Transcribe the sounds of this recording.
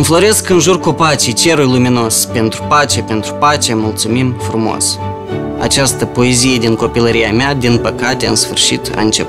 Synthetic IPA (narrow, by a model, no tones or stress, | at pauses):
ɨnflo̞ɾe̞skɨnʒurkupat͡ʃijt͡ʃe̞ɾujlumino̞spe̞nt̪ɾupat͡ʃe̞pe̞nt̪ɾupat͡ʃe̞mult̪sumimfɾumo̞̰s | a̰t͡ʃast̪əpo̞ezije̞d̪iŋko̞piləɾijamead̪inpəkat̪e̞ɨnsfɨrʃit̪ʰa̰ɨnt͡ʃe̞p